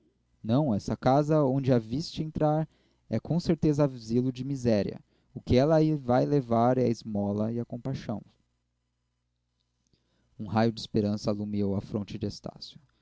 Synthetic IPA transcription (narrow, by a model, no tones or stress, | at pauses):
nɐ̃w̃ɛsɐkazɐõd͡ʒɪɐvist͡ʃɪẽnt̪ɾaɾ | ɛkʰõseɾt̪ezɐavzilʊd͡ʒɪmizɛɾiɐ̰ | ʊkɪɛlɐivajlevaɾɛɐɪzmɔlɐɪɐkõpajʃɐ̃w̃ | ũɦajʊd͡ʒɪspeɾɐ̃sɐalumiowɐfɾõnt͡ʃɪd͡ʒɪest̪a̰sjʊ